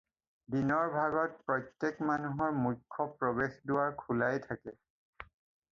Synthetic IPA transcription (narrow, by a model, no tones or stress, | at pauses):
binɔɹbʱaɡɔt̚pɹɔjtːekmanuɦɔɹmujkʰːɔpɹɔbexdʊwaɹkʰulajtʰakɛ